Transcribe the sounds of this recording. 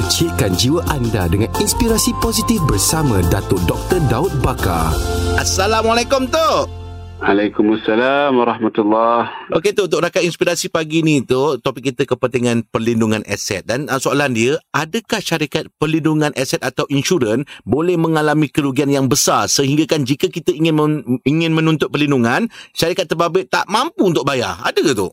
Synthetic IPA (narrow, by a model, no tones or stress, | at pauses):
ət͡ʃɪt̪̚kand͡ʒiwaʔandadəŋaninspiɾasiposit̪ifbərsamãdat̪ʊdɔk̚t̪ərdaʊt̪̚baka̰ʔasːalamalekʊmt̪ʊ | ʔalajkʊmasalamwaɾɑhmat̪ulːɑhʔoket̪uut̪ʊk̚ɾakatinspiɾasipaɡinĩt̪ut̪opɪkːit̪əkəpənt̪iŋãnpərlinduŋãnʔɛ̰sɛ̰t̪̚danəsoalandiəʔadəkahʃaɾikat̪̚pərlinduŋãnʔasɛt̪̚at̪awʔinʃuɾənbolɛhmə̃ŋalamĩkəɾuɡianjaŋbəsarsəɦiŋɡakand͡ʒikəkit̪əiŋɪnmiŋɪ̃nmə̃nũnt̪ʊt̪̚pərlinduŋanʃaɾikat̪ːərbabɪʔt̪aʔmãmpuːnt̪ʊk̚baja̰a̰dət̪ʊ̰